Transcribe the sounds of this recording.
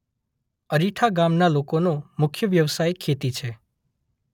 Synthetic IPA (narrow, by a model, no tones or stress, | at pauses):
əɾiʈʰaɡamnalokonomʊkʰjəʋjəʋsajkʰːet̪it͡ʃʰe